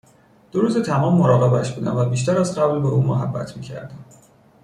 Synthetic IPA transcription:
d̪̥oɾuːzet̪ʰæmɒːmːoɾɒːɣe̞bæʃbuːd̪æ̰mvæbiːʃt̪æɾæzɢæblbeuːmoɦæbːæ̰t̪ʰmiːcʰæ̰ɾd̪æm

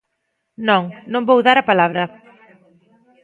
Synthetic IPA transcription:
nõŋnõmbowðaɾɐpalaβɾɐ

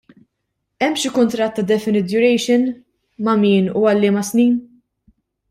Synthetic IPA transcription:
ɛmːʃikʊnt̪ɾɐt̪ːɐd̪ɛfɪnɪt̪jʊɾɛjʃɪn | mɐmiːnṵɐlːɪːmɐsniːn

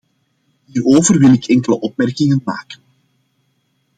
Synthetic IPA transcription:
ɦiːroːvərwɪlɪkʰɛŋkələʔɔp̚mɛrkɪŋənma̰ːkə̥n

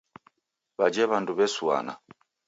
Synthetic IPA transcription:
βad͡ʒɛβanduβɛswa̰na̰

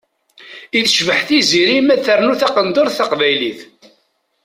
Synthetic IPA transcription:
iθʃvəħθiziɾimæt͡sːəɾnuθɑqənd̪oɾˤθɑqvæjliθ

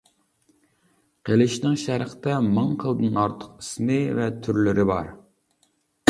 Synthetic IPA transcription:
qʰelˠɪʃnɪŋʃæɾχt̪ɛmɨŋqʰəlˠd̪ɨnɑɾt̪ʰə̥qismɪvɛt̪ʰyɾlɪɾɪbɑ̰ɾ

